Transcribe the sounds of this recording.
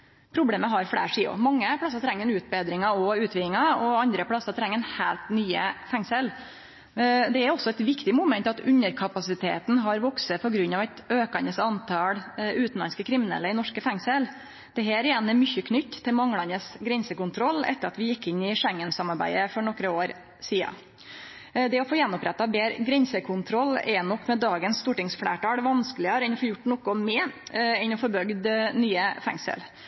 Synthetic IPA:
pʰɾʊbleːməɦɑɾfɽæ̰ːʂiːʊ̰mɑŋːəpʰɽɑsɑt̪ʰɾɛŋːɛnʉːt̪̚beːd̪ɾɪŋɑɔʉːt̪ʰʋɪnɪŋɑɔɑnd̪ɾəpʰɽɑsɑt̪ʰɾɛŋːənhæːlt̪nyːəfɛŋsəl | d̪ɛæɾɔsɔɛt̪ʋɪkt̪ɪmʊmɛnt̪ɑt̪ʉnːəɾkʰɑpɑsɪt̪ʰḛːt̪n̩ɦɑɾʋɔksəpʰɔɡɾʉnːɑʋæɪt̪øːkɑnəsɑnt̪ʰɑlʉːt̪n̩lɑ̰nskəkʰɾɪmɪnɛ̰lːəɪnɔʂkəfɛŋsəl | d̪̥ɛɦæːɾɪjɛnɛmʏçːəkʰnʏt̪ːt̪ːɪlmɑŋːlɑnəsɡɾɛnsəkʊnt̪ʰɾɔlːɛ̰t̪ːəɾɑ̰t̪ʋɪjɪkːɪnːɪʂɛŋːənsɑmɑɾbæ̰ɪəfɔɳɔkːɾəoːɾ | siːɑ̰ | d̪ɛɔfoːjɛnːɔpɾɛt̪ːɑbeːɾɡɾɛnsəkʰʊnt̪ʰɾɔlːɛnɔkːmɛd̪ɑːɡənst̪uːʈɪŋsfɽæ̰ːʈɑːɽʋɑnskəlɪɑɾəɛnɔfoːjʊʈːnɔkʊmɛɛnɔfɔɾbœɡd̪nyːəfɛ̰ŋsə̰l

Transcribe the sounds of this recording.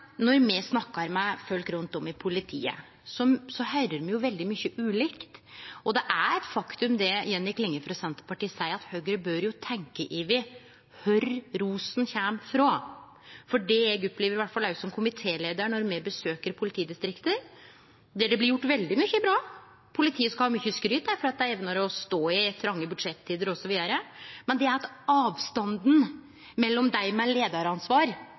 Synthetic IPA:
nɔɾmɛsnɑkːɑɾmæɪfœlkɾʉnt̪ɔmɪpʰʊlɪt̪ʰḭːə̰ | sɔsɔhæɾəɾmɛjʊʋɛld̪ɪmʏçːəʔʉːlɪkt̪ɔd̪ɛʔæɾɛt̪fɑkt̪ʉmd̪ɛjɛnjɪklɪŋːəfɾɑsɛnt̪ə̥pɑʈiːsæɪɑt̪høːɡɾəbøɾjʊt̪ʰɛŋkəʔɪʋɪ | hœɾɾuːsn̩çæmfɾoː | fɔɖɛɛɡɔpːleːʋəɾɪʋæʈːfɑlæʉsɔmkʰʊmɪt̪ʰeːleːd̪əɾɳɔɾmɛbəsøːkəɾpʰʊlɪt̪ʰiːd̪ɪst̪ɾɪkt̪əɾ | d̪ɛɖɛblɪɾjʊʈːʋɛld̪ɪmʏçːəbɾɑː | pʰʊlɪt̪ʰiːəskɑhɑːmyçːəskɾyːt̪̚d̪æɾfɔɾɑt̪̚d̪æɪɛːʋnəɾɔst̪oːɪt̪ʰɾɑŋːəbʉd̪ʂɛt̪ʰːiːd̪əɾɔsɔʋiːd̪əɾəmɛnd̪ɛæɾt̪ | ɑːʋst̪ɑnd̪n̩ | mɛlːɔmd̪æɪmɛleːd̪ɑɾɑnsʋɑːɾ

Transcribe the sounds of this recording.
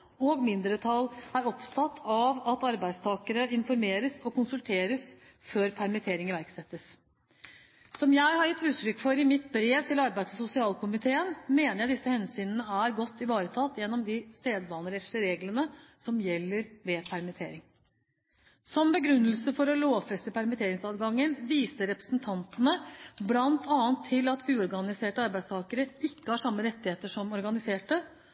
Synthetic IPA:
ɔːɡmɪnd̪ɾət̪ʰɑlːæɾɔpt̪ʰɑt̪ʰːɑʋɑt̪ɑɾbæɪst̪ʰɑːkəɾəɪnfɔɾmeːɾəsɔkʊnsʉlt̪ʰeːɾəs | føːɾpʰæɾmɪt̪ʰeːɾɪŋəʋæɾksɛt̪ːəs | sɔmjæɪhɑɾjɪt̪ːʉːt̪ʰɾʏkːfɔɾɪmɪt̪bɾeːʋt̪ʰɪlɑɾbæɪssʊsɪɑːlkʊmɪt̪ʰeːənmeːnəɾjæɪd̪ɪsːəhɛnsyːnənəæɾɡɔt̪ːɪʋɑːɾət̪ʰɑt̪ːjɛnːɔmd̪ɪst̪eːd̪ʋɑːnəɾɛt̪ʂəɾeːɡlənəsɔmjɛlːəɾʋeːpʰæɾmɪt̪ʰḛːɾɪŋ | sɔmbəɡɾʉnːəlsəfɔɾɔloːʋfɾɛst̪əpʰæɾmɪt̪ʰeːɾɪŋsɑːd̪ɡɑŋːənʋiːsəɾɛpɾəsnt̪ʰɑnt̪ənəblɑnt̪ʰɑːənt̪ʰːɪlɑt̪ʉːɔɾɡɑnɪseːʈəɑɾbæɪd̪st̪ʰɑːkəɾəɪkːəhɑʂɑmːəɾɛt̪ːɪheːt̪əʂɔmɔɾɡɑnɪseːʈə

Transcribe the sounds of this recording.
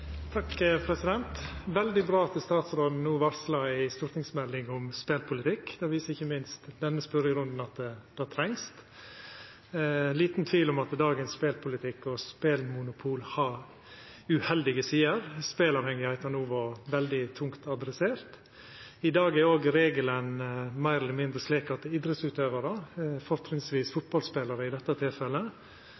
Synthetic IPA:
t̪ʰɑkːpʰɾɛsɪd̪ɛnt̪ʋɛld̪ɪbɾɑːɑt̪əst̪ɑːt̪sɾod̪n̩nuːʋɑɾslɑɪst̪uːɾt̪ɪŋsmɛlːɪŋɔmspeːlpʰʊlɪt̪ɪkːd̪ɛʋiːsəɾɪçːəmɪnst̪d̪ɛnːəspœɾəɾʉnd̪n̩ɑt̪d̪̥ɑt̪ʰɾɛŋst̪ | liːt̪nt̪ʰʋiːlʊmɑt̪d̪ɑːɡənspeːlpʰʊlɪt̪ʰɪkːɔspeːlmʊnʊpʰuːlhɑɾ | ʉhɛld̪ɪɡəsiːəɾspeːlɑʋhɛŋːɪhæɪt̪ɑnuːʋɔʋɛld̪ɪt̪ʰʊŋkt̪ɑd̪ɾɛseːɾt̪ | ɪd̪ɑːɡæɾoːɡɾeːɡələnmæɪɾɛləmɪnd̪ɾəsliːkɑt̪̚d̪ɛɪd̪ɾəsʉːt̪øːʋəɾɑfɔɾtɾɪŋsʋiːsfʊt̪̚bɑlspeːləɾəɪd̪ɛt̪ːɑt̪ʰɪlfɛlːə

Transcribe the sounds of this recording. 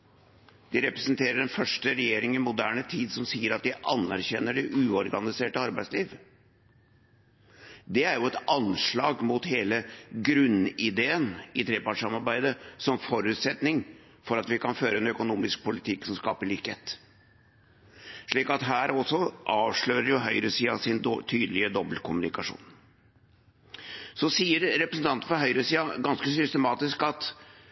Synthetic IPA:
d̪̥ɪɾɛpɾɛsənt̪ʰeːɾəɖɛnfœʂʈəɾɛjeːɾɪŋɪmʊd̪æːɳət̪ʰiːd̪sɔmsiːəɾɑt̪̚d̪ɪʔɑnːæɾçɛnːəɖɪʔʉːɔɾɡɑnɪseːʈəɑɾbæɪsliːʋ | d̪ɛæɾjʊɛt̪ɑnʂɭɑːɡmut̪heːləɡɾʉnɪd̪eːənɪt̪ʰɾeːpɑʈʂɑmɑɾbæɪd̪əsɔmfɔɾʉːt̪sɛt̪nɪŋ | fɔɾɑt̪ʋɪkʰɑnføːɾəɛnœkʊnuːmɪsk̚pʰʊlɪt̪ʰɪksɔmskɑːpəɭiːkhḛːt̪ | ʂɭiːkɑt̪ɦæːɾɔsɔʔɑːʋʂɭøːɾəɾjʊɦœʏɾəsiːɑ̰sɪnt̪ʰyːd̪lɪəd̪ɔbəlkʰʊmʉnɪkɑʂṵːn | sɔsiːəɾɾɛpɾəsən̩t̪ʰɑnt̪̩fɔɾɦœʏɾəsiːɑɡɑnskəsʏst̪əmɑːt̪ɪskɑt̪

